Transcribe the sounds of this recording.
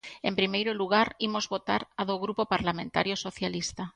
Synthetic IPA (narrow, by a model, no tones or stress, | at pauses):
ḛ̃mpɾimejɾʊluɣaɾimozβot̪aɾaðoɣɾupopaɾlamẽnt̪a̰ɾjosoθjalist̪a